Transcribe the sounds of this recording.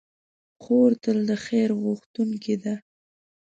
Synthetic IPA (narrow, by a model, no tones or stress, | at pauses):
xoɾt̪əld̪əxeɾɣʊxt̪uŋked̪a